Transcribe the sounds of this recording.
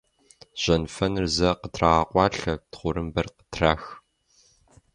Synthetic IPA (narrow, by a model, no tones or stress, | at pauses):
ʑ̥ɐnfɐnɨrzɐqətʰraʁaqʷʼɑːɬɐtχʷʊɾɨmbɐrqə̥tʰraːx